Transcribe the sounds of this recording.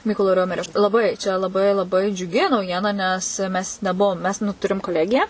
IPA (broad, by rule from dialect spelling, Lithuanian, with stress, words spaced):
ˈmʲiːkoːlˠoː ˈrʲoːmʲɛrʲoː lˠɐˈbɐɪ t͡ʃʲɛ lˠɐˈbɐɪ lˠɐˈbɐɪ d͡ʒʲʊˈɡʲɪ nɐʊˈjiɛnɐ nʲɛs mʲɛs nʲɛˈbʊʋoːm mʲɛs nʊ ˈtʊrʲɪm koːˈlʲæːɡʲɪjæː